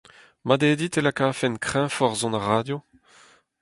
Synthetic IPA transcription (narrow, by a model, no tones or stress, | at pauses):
mad̪eːd̪it̪elakaːfɛnkχɛ̃fɔʁzɔ̃naʁaːdjo